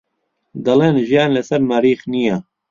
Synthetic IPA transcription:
d̪ɐleːnʒijaːnlɛsɛɾmaːɾiːxnijaː

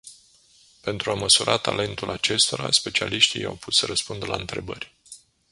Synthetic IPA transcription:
pe̞nt̪ɾuaməsuɾʔat̪ale̞nt̪ulʔat͡ʃe̞st̪o̞ɾa̰spe̞t͡ʃialiʃt̪ija̰wpʰut̪səɾəspund̪əlaɨnt̪ɾe̞bərʲ

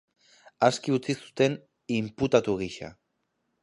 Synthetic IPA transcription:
askiut͡sisu̥t̪e̞n | imput̪at̪uɣiʃa̰

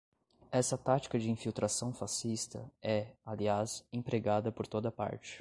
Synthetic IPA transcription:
ɛsɐt̪at͡ʃi̥kɐd͡ʒɪĩfiwt̪ɾasɐ̃w̃fasist̪ɐ̰ɛaliasẽpɾeɡad̪ɐpoɾt̪od̪ɐpa̰ɾt͡ʃɪ̥

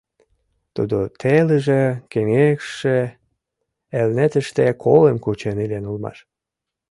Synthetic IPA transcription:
t̪ṵd̪ot̪ʰeləʒekeŋekʃe | elnet̪ə̆ʃt̪ekʰolemkut͡ɕenilenulmɑ̰ʃ

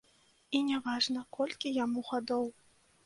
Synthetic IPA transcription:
inʲɛvaʐnɐkʰɔlʲkʲijamuɣad̪ɔw

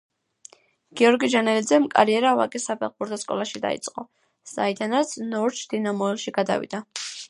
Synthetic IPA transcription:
ɡ̥iɔɾɡid͡ʒanɛlid̪zɛmkʼa̰ɾiɛɾava̰kʼisapʰɛʁχ̚buɾt̪ʰɔskʼɔ̰lˠaʃid̪a̰ḭt̪sʼqʼɔ | sa̰id̪anat̪sʰnɔɾt͡ʃʰd̪̥inamɔɛlˠʃiɡad̪a̰vḭd̪a

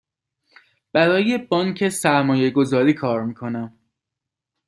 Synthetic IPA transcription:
b̥æɾɒːje̞bɒːŋcʰe̞sæɾmɒːje̞ɡo̞zɒːɾiːkʰɒːɾmiːkʰo̞næm

